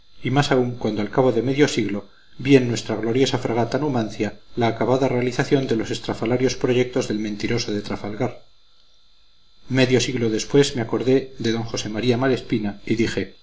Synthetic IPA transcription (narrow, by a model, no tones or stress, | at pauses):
imasauŋkwand̪oalkaβoðe̞me̞ðjo̞siɣlo̞ | bienːwe̞st̪ɾaɣlo̞ɾjo̞safɾaɣ̞at̪anumãnθjalaːkaβaðare̞aliθaθjo̞nd̪e̞lo̞se̞st̪ɾafalaɾjo̞spɾo̞ʝe̞k̚t̪o̞zðe̞lmẽnt̪iɾo̞so̞ðe̞t̪ɾafalɣaɾ | me̞ðjo̞siɣlo̞ðe̞spwe̞zmeako̞ɾðe̞ðe̞ðo̞ŋxo̞se̞maɾiamale̞spinaiðixe̞